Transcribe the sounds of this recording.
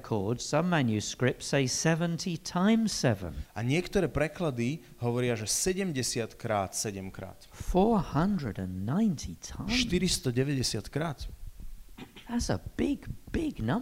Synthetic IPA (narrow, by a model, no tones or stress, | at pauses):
kʰɔːdz̥sʌ̃mːæ̃njʉskɹɪp̚tseɪsɛvə̃ntʰitʰãɪ̃msɛvə̰̃nʔaɲɪɛkt̪ɔɾɛːpɾɛklad̪i | ɦɔʋɔɾɪaʒɛsɛɟɛmɟɛsɪat̪kɾaːt̪sɛɟɛmkɾa̰ːt̪fɔːhʌ̃ndɹəɾə̃nːãɪ̃ntʰitʰãɪ̃ʃt̪iɾist̪ɔɟɛʋɛɟɛsɪat̪kɾaːt̪ | ðətzə̰b̥ɪɡb̥ɪɡnʌ̃m